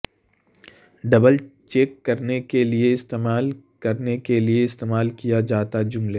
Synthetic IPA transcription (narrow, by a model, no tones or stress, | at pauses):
ɖɐbəlt͡ʃeːkːɐɾnekelieɪst̪eːmaːlkɐɾnekelieɪst̪eːmaːlkijad͡ʒaːt̪ad͡ʒʊmleː